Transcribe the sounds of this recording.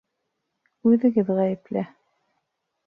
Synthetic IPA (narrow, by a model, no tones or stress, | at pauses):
ʉðɘ̆ɡɘðʁæjɘ̆plæ